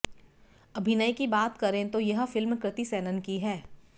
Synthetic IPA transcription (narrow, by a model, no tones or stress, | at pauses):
ɐbʱɪnəikibaːt̪kɐɾẽt̪ojɐɦfɪlmkɾɪt̪isɛːnənkiɦɛː